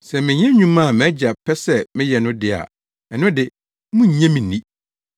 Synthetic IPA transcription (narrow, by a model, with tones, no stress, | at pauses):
sɛ˨mɪ̃˨ɲɛ̃˦ɲũ˦mã˦˨mɛ̃˦d͡ʑa˨pʰɛ˦sɛ˦mɪ̃˦jɛ˨nʊ̃˦dɪ˦a̰˨ | ɛ˨nʊ̃˦dɪ˨ | mʊ̃˦ɲ̩˨ɲɛ̃˦mĩ˨nĩ˦